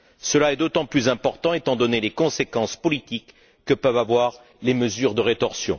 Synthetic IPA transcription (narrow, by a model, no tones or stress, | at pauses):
səlaɛd̪ot̪ɑ̃plyzɛ̃pɔʁt̪ɑ̃et̪ɑ̃d̪ɔnelekɔ̃sekɑ̃spɔlit̪ikː | əpœvavwaʁ | leməzyʁd̪əʁet̪ɔʁsjɔ̰̃